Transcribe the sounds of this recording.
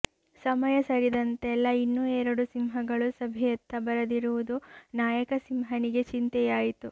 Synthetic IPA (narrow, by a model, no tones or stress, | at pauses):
sɐmɐjɐsɐɾid̪ɐnt̪ɛlːɐinːuːɛːɾɐɽusimɦɐɡɐɭusɐbʱɛjɐt̪ːɐbɐɾɐd̪iɾuʋud̪unaːjɐkɐsimɦɐniɡe̞t͡ʃint̪ɛjaːjit̪u